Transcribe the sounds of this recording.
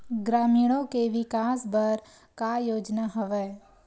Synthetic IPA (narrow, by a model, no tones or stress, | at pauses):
ɡɾaːmiːɽ̃õkeʋɪkaːsbəɾ | kajoːd͡ʒnaɦəʋɛː